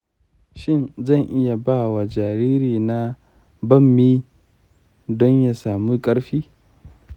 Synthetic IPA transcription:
ʃɪ˦˨nzɐ˦˨ŋʔɪ˦ja˨baː˦˨wa˨d͡ʒaː˨ɾiː˦ɾiː˨na˦ | bɐ˦˨mːiː˦ | dɔ˦ɲja˨saː˨mu˦kʼɐ˦ɽɸiː˦

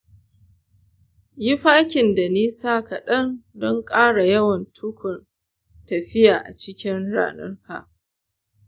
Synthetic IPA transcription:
jɪ˦ɸaː˦kʲɪ˨nda˨niː˦saː˦ka˨ɗɐ˦ndɔ˦ŋkʼaː˦ɽa˨jɐ˦wɐ˨ntʰʊ˦kʷʊ˨n | tɐ˨ɸɪ˦jaː˨ʔa̰˨t͡ʃɪ˦kʲɪ˦nɽa̰ː˦nɐ̰˦rka̰˨ʔ

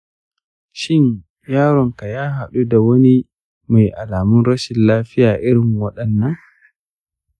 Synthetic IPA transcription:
ʃɪ˦ɲ | jaː˦ɾɔ˨ŋka˨jaː˦ɦa˨ɗu˦da˨wɐ˦ni˦ | ma˨jʔa˨laː˨mʊ˦nɾɐ˦ʃɪ˨nlaː˦ɸɪ˦jaː˨ʔɪ˦ɾɪ˨ŋwɐ˦ɗɐ˨nːɐ˦ŋ

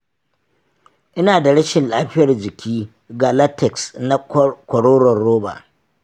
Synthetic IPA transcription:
ʔɪ˦naː˨da˨ɽɐ˦ʃɪ˨nlaː˦ɸɪ˦jɐ˨rd͡ʒɪ˨kʲiː˦ | ɡaː˨la˦tɛ˨ksna˦kʷɔ˨ɽoː˦ɾɔ˨nːoː˦ba̰˨

